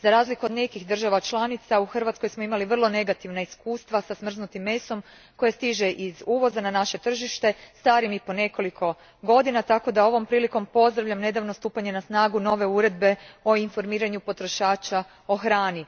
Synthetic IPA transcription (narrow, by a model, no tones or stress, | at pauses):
zaɾaːzlikuod̪ne̞kixd̪r̩ʒaʋat͡ʃlˠanit̪sauxr̩ʋat̪sko̞jsmoimaliʋr̩lˠo̞ne̞ɡat̪iʋnaiskuːst̪ʋasasmr̩znut̪imːe̞so̞m | ko̞jest̪iʒe̞ʔizuːʋo̞zananaʃe̞t̪r̩ʒiʃt̪e̞st̪aːɾimipo̞ne̞ko̞likʰo̞ | ɡo̞d̪inat̪ako̞d̪ao̞ʋo̞mpɾiːliko̞mpo̞zd̪ɾaʋʎamne̞d̪aʋnost̪uːpaɲe̞nasnaːɡuno̞ʋe̞uɾe̞d̪̚be̞o̞info̞ɾmiːɾaɲupo̞t̪ɾo̞ʃaːt͡ʃa | o̞xɾaːni